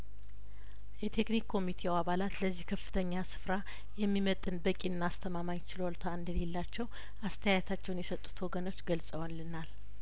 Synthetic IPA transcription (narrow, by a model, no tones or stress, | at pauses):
jɛt̪ʰe̞knikʰːo̞mit̪ʰewaβalat̪ləzːihkʰəfːɨ̥t̪ʰəɲːasɨ̥fɾa | jɛmːimət̪ʼːɨnbəkʼinːast̪ʰəmamaɲt͡ʃʰɪlolt̪ʰaɨnd̪əle̞lːat͡ʃːɛw | ast̪ʰəjajt̪ʰat͡ʃːɛwunjɛsət̪ʼːu̥t̪wɔɡəno̞t͡ʃːɡəlsʼəwənlɨnal